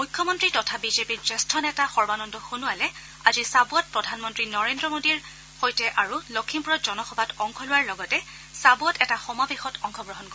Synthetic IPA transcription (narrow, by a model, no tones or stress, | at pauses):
mujkʰːɔmɔntɹitɔtʰabizepiɹzestʰɔnɛtaxɔɹbanɔndɔxunʊalɛ | azisabuɔt̚pɹɔdʱanmɔntɹinɔɹendɹɔmodiɹ | xojtɛʔaɹulokʰimpuɹɔt̚z̥ɔnɔxɔbatɔŋkʰɔlʊwaɹlɔɡɔtɛ | sabuɔtɛtaxɔmabexɔtʰɔŋkʰɔɡɹɔɦɔnkɔ